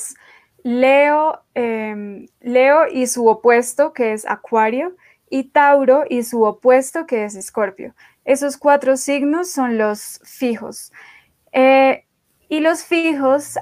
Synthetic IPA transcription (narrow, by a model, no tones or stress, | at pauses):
s | leo | e | leoʔisuopwest̪o̞ke̞esa̰kwaɾjo̞ | it̪awɾo̞ʔisuopwe̞st̪o̞ke̞e̞s̬esko̞ɾpjo̰ | e̞so̞skwat̪ɾo̞siɡnosːo̞nlo̞s | fixo̞̰s | e | ilo̞sfixos